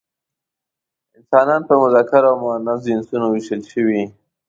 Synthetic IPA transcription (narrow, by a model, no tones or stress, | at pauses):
ɪnsɑnɑnpəmʊzɑkɪɾamʊanaɪnsunowɪʃəlʃəwi